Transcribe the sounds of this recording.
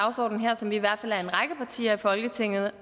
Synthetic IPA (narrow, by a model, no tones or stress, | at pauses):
ʊsɒ̰ːd̥n̩ɦeɐ̰sɒ̽mʋiːʋæɐ̰d̥fæl̰æɐe̝nʁɑ̈ɡ̥əpʰɑ̈t͡sʰḭːɐifɒ̽lɡ̥ət͡sʰe̝ŋ̰ð̞̩ˠ